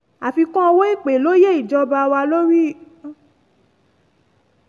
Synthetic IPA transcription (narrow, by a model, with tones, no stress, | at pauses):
a˨fi˧kɔ̃˦ɔ˧wo˦i˦˨k͡pe˨lo˦je˦i˦˨d͡ʒɔ˦ba˧wa˧lo˦ɾi˦˨